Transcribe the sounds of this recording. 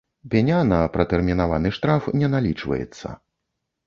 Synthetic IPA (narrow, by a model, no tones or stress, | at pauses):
pʲɛnʲanɐpɾɐt̪ɛrmʲinavanɨʂt̪ɾafnʲɛnalʲit͡ʂvɐ̰jɛ̰t̪sːɐ̰